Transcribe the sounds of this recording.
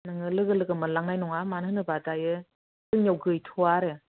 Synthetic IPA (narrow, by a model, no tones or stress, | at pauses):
naŋɯlɯɡɯlɯɡɯmɯlaŋnajnɔŋamanhɯnɯbadajɯ | sɯŋnjawɡɯjtʰuaɾe